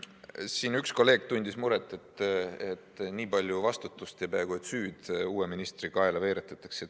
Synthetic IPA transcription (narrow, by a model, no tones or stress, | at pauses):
siːnyksko̞lːe̞ːɡ̥̚t̪unʲd̪̥ismuɾet̪ːˑe̞t̪et̪ːˑniːpɑlʲjuvɑst̪ut̪ːˑust̪epæeɡ̥uet̪ˑsyːd̪̥uːweminist̪rikɑeleve̞ːɾet̪ːˑɑt̪ːˑɑ̥ksid̪